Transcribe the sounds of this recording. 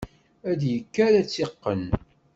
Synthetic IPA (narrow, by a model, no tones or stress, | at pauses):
æd̪jəkːaɾæt͡sːeqːən